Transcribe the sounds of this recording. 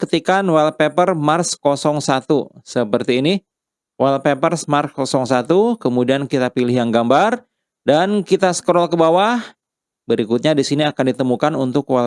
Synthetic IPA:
kət̪ikanwalpepərmarskɔsɔŋsat̪usəpərt̪iːni | walpepərsmarskɔsɔŋsat̪ukəmudiankit̪apilɪhjaŋɡambar | dankit̪asə̥kəɾɔlkəbawah | bəɾikut̪̚ɲadisiniakandit̪əmukanunt̪ʊkwa

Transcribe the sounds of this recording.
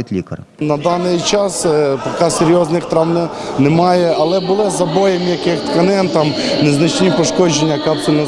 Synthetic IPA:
t̪ʲlʲikɐr | nɐd̪ɑnɪjt͡ʃɑspɐkɑseɾʲjɔznɪxt̪ɾɑwnʲɐ | nɛmɑjɛɐlˠɛbʊlˠɪzɐbɔjɛmjɐkɪxt̪kɐnɪnt̪ɑmneznɐt͡ʃnʲipɔʃkɔd͡ʒenʲːɐkapsʊlʲnɐ

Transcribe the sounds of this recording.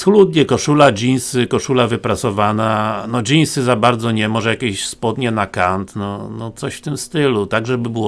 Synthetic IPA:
sxlud̪̚ʲɲɛkɔʂulad͡ʑinsɘkɔʂulavɘpɾat̪sɔvananɔd͡ʑinsɘzabaɾd̪zɔɲɛmɔʐɛjakʲeɕspɔd̪ɲɛnakant̪nɔnɔtt̪sɔɕft̪ɘmst̪ɘlut̪aɡʐɛbɘbɘwɔ

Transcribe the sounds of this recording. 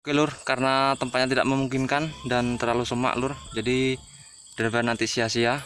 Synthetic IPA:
okelʊrkaɾənat̪əmpat̪ɲat̪ida̰ʔməmuŋkɪnkandant̪ərlalusəma̰ʔlʊrd͡ʒadi | d̥ɾɛvɛrnant̪isiasia

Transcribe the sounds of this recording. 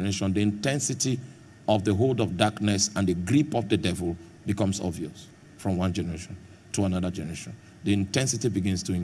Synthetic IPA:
əɹeʃɔ̃nðiɪ̃ntɛ̃nsɪti | ɔvðəɦoldɔvdaknɛsãnðɨɡɹipɔvðədɛvəl̩ˠ | bikʌ̃msɔ̰bviɔs | fɹɔ̃mwʌ̃nd͡ʒɛnəɹeʃɔ̃n | tʰuanʌðəd͡ʒɛnəɹeʃɔ̃n | ðiɪ̃ntɛ̃nsitibiɡɪ̃nstʰuɪ̃

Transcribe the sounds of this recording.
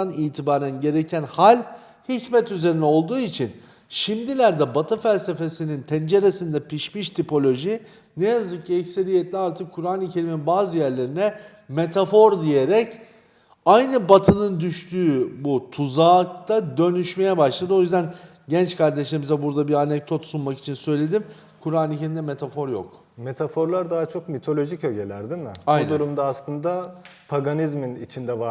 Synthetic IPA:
anijt̪ʰibaːɾænɟe̞ɾe̞cʰænhalʲ | hicmɛt̪yze̞ɾinɛo̞lˠd̪uːit͡ʃʰin | ʃimd̪ilʲæɾd̪ɛbat̪ʰɯfælʲse̞fe̞sinint̪ʰɛnd͡ʒe̞ɾe̞sind̪ɛpʰiʃmiʃt̪ʰipo̞lʲo̞ʒi | nejazɯk̚cʰɛcse̞ɾijet̪lʲiaɾt̪ʰɯkʰːuɾaːnicʰe̞ɾiminbaːzɯjæɾlʲeɾinɛ | me̞t̪ʰafo̞ɾd̪ije̞ɾɛc | ajnɯbat̪ʰɯnɯnd̪yʃt̪ʰyːbut̪ʰuzaːkt̪ʰad̪ø̞nyʃme̞jɛbaʃlˠad̪ɯo̞jyzd̪æn | ɟɛnt͡ʃkʰaɾd̪eʃleimizɛbuɾd̪abiɾanɛk̚d̪o̞t̪sunmaki̥t͡ʃʰinsø̞jlʲe̞d̪im | kʰuɾaːnicʰe̞ɾʲimnd̪ɛmet̪ʰafo̞ɾjo̰k | met̪ʰafo̞ɾlˠaɾd̪aɦat͡ʃʰo̞kmit̪ʰo̞lʲo̞ʒicø̞ɟe̞lʲæɾd̪imɪbajnd̪uɾumd̪aːslˠɯnd̪apʰaɡanizminḭt͡ʃʰind̪ɛva

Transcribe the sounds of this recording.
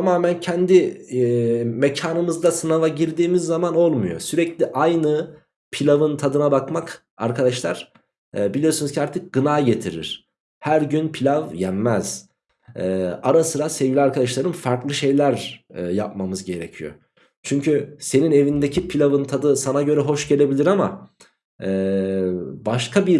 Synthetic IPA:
t̪ʰamaːmæncʰɛnd̪i | mecʰaːnɯmɯzd̪asɯnavaɟiɾd̪iːmizːamano̞lˠmujo̞̰syɾɛclʲiʔajnɯ | pʰilʲavɯnt̪ʰad̪ɯnabakmak | aɾkʰad̪aʃlˠaɾ̥ | bilʲijo̞ɾsunɯzcʰaɾt̪ʰɯk̚ɡɯnaːɟe̞t̪ʰiɾḭɾ̥ | hæɾɟynpʰilʲavjæmːɛz̥ | ɛːaɾasɯɾasɛvɟilʲiaɾkʰad̪aʃlˠaɾɯnfaɾklˠɯʃe̞jlʲæɾjap̚mamɯzɟe̞ɾecʰijo̰ | t͡ʃʰyɲcʰyse̞nine̞vind̪ecʰipʰilʲavɯnt̪ʰad̪ɯsanaɟø̞ɾɛɦo̞ʃɟe̞lʲe̞bilʲiɾama̰ | ɛ | baʃkʰabiɾ

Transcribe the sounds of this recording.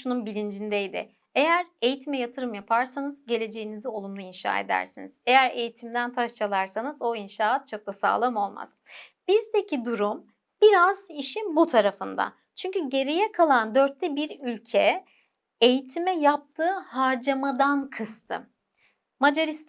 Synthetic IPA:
ʃununbilʲind͡ʒind̪ejd̪ɪ̰ | e̞jæɾe̞jit̪ʰimɛjat̪ʰɯɾɯmjapʰaɾsanɯzɟe̞lʲe̞d͡ʒe̞jinizio̞lˠumlˠainʃa̰ːḛd̪æ̰ɾsinḭz̥e̞jæɾe̞jit̪ʰimd̪ænt̪ʰaʃt͡ʃalˠaɾsanɯzo̞inʃaːat̪̚t͡ʃʰo̞k̚lˠasa̰ːlˠamo̞lˠma̰z̥b̥izd̪ecʰid̪uɾum | b̥iɾaziʃinbut̪ʰaɾafɯnd̪a̰ | t͡ʃʰyɲcyɟe̞ɾijɛkʰalˠand̪ø̞ɾt̪ʰːɛbiɾylʲcʰɛ | ejit̪ʰimɛjap̚t̪ʰɯːhaɾd͡ʒamad̪ankʰɯst̪ʰɯ̰ | mad͡ʒaɾist̪

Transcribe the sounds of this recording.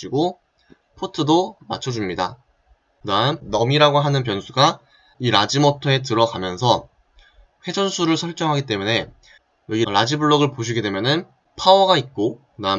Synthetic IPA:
iɡo | pʰotʰɯdoma̰t͡ɕʰʌd͡ʑumɲida̰ | namnʌmiɾaɡoɦanɯnp̬jʌnsʰuɡa | iɾad͡ʑimʌtʰʌe̞t̬ɯɾʌɡamjʌnsʰʌ | ɸwe̞d͡ʑʌnsʰuɾɯɭsʰʌɭt͡ɕ͈ʌŋɦaɡit͈e̞mune̞ | iɾad͡ʑibɯɭːʌɡɯɭpoɕ̬ʰiɡe̞dwe̞mjʌnɯn | pʰawʌɡait̚k͈o | na

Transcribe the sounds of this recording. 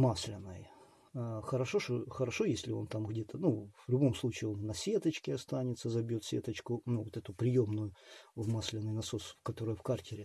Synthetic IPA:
masʲlʲɪnːəj | xəɾɐʂoʂoxəɾɐʂo̞jesʲlʲɪo̞nt̪amɣdʲet̪ənuvlʲʊbo̞mslˠut͡ɕɪːo̞nvnɐsʲet̪ət͡ɕkʲɪɐst̪anʲɪt̪səzɐbʲjot̪sʲḛt̪ət͡ɕkʊnuvot̪ɛt̪ʊpɾʲɪjomnʊjʊvmasʲlʲɪnːɨjnɐsosfkɐt̪o̞ɾɨjfkartʲɪɾʲɪ

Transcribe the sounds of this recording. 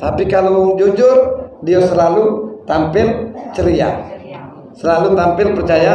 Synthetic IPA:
t̪apikalawd͡ʒud͡ʒʊrdiasəlalut̪ampɪlt͡ʃəɾia̰ | səlalut̪ampɪlpərt͡ʃaja

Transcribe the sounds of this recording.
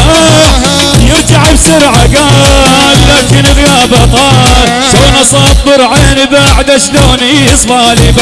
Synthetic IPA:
jɪɾt̪aʕbsʊɾʕaɡaːllaːkɪnɣjaːbat̪ˤɑːɾ | soːnɑsˤɑːt̪̚ˤðˤʊɾˤʕeːnɪðaːʕd̪aʃloːniɨsˤfɑːlib

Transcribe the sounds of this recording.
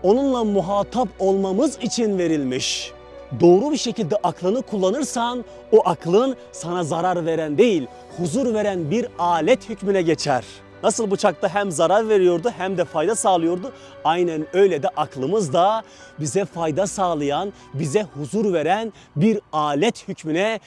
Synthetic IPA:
o̞nunlˠamuɦaːt̪ʰapo̞lˠmamɯzit͡ʃʰinve̞ɾilʲmiʃ | d̪o̞ːɾubiʃe̞cilʲd̪ɛʔaklˠɯnɯkʰulˠːanɯɾsan | oʔaklˠɯn | sanazaɾaɾve̞ɾænd̪e̞jilʲ | huzuɾve̞ɾænbiɾaːlʲɛt̪hycminɛɟet͡ʃʰæ̰ɾ | nasɯlˠbut͡ʃʰak̚t̪aɦæmzaɾaɾve̞ɾijo̞ɾd̪uɦæmd̪ɛfajd̪asaːlˠɯjo̞ɾd̪u | ajnænø̞jlʲɛd̪ɛʔaklˠɯmɯzd̪a | bizɛfajd̪asaːlˠɯjan | bizɛhuzuɾve̞ɾæn | biɾaːlʲɛt̪hycminɛ

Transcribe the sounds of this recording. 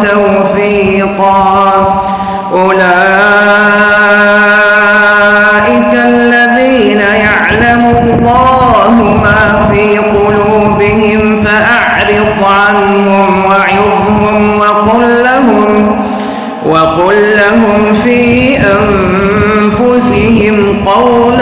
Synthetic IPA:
t̪awfiːqɑː | ʔʊlaː | ʔɪkalːaðiːnajaʕlamʊlˤːɑː | ɦʊmaː | fiːqʊluːbɪhɪmfaʔaʕɾɪd̪ˤʕanɦʊmwɑʕɪðˤhʊmwɑqʊlːaɦʊm | wʔɑqʊlːaɦʊmfiːʔam | fʊsɪhɪmqɑwl

